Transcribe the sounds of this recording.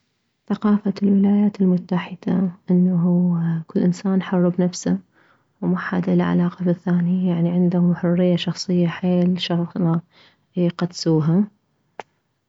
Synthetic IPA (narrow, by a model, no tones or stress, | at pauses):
θaqɑːfalwɪlaːjaːt̪ɪlmʊt̪ːaħɪd̪̥aʔɪnːaɦukɪlːʔɪnsaːnħʊrˤːɑbnafsa | wmaħad̪ʔɪlaʕa̰laːqɑbɪθːaːnijaʕniʕɪnd̪ahʊmħʊrːɪjːaʃɑxsˤɨjːaħeːlʃɑna | qɑd̪suːɦa